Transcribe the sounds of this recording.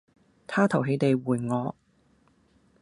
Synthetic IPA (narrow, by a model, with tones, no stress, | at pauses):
t̪ʰaː˥t̪ʰɐ˨˩wɦe˨˧jt̪e˨jwuː˨˩jŋɔː˨˧